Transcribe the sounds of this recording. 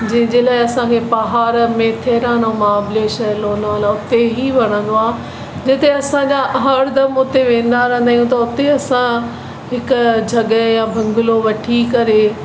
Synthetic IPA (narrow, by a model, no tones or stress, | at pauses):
d͡ʑɐ̃ɦɪ̃ɲd͡ʑeːlaːɪɐsãkʰepɐɦaːɾmẽt̪ʰeːɾaːnõmãːbleːʃəloːnaːlaʊt̪eɦiʋɐɽ̃ə̃nd̪oaː | d͡ʑɪt̪eɐsãɲd͡ʑaɦɐɾd̪ɐmʊt̪eʋẽːn̆d̪aɾɛ̃ːnd̪aːjũt̪̬ɐʊt̪eɐsã | ɦɪkʊd͡ʑʱɐɠəjãbʱɐ̃ŋɡʊloʋɐʈʰikɐɾe